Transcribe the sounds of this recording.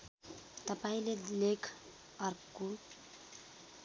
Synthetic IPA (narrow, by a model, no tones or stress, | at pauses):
t̪ʌpaĩlelekʰ | ʌɾkkːo